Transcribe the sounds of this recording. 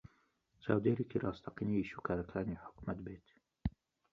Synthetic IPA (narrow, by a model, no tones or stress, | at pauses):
sa̰wd̪iɾikiɾɑʔɑst̪ɑqɪniʃʊkaɾˤkʰaːniħʊ̥kmat̪beːt̪